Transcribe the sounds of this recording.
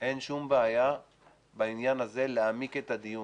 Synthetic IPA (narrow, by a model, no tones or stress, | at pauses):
ʔe̞nʃumbeaja | bainjanaze̞leamiket̪ad̪iju